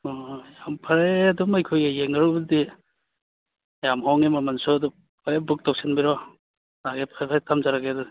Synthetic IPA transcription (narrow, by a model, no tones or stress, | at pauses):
ɔjampʰaɾeadɔmajkʰojejeŋaɾɔbdi | jamɦawŋemamansɔdɔ | pʰaɾebuk̚taw̚sinbiɾɔ | aɡepʰapʰajtʰamzaɾaɡedɔ